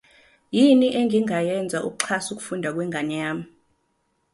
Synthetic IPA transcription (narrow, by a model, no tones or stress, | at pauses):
jiniʔɛŋʱiŋajɛnd͡zʱaʔṵk̬ʼu̥ǀʰasuk̬u̥fundʱak̬wɛŋɡʱaɲaːmi